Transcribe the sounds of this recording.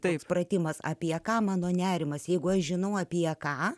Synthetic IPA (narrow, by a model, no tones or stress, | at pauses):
t̪ɐɪsprɐt̪ʲɪmɐsɐ̰pʲiɛkɑːmɑːnoːnʲæːɾʲɪmɐsjɛɪɡʊɐʃʒʲɪnɐʊɐpʲiɛkɑː